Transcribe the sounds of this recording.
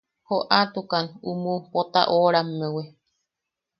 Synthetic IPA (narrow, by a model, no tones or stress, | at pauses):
hoʔat̪ukanumũpot̪a̰ʔoɾammewe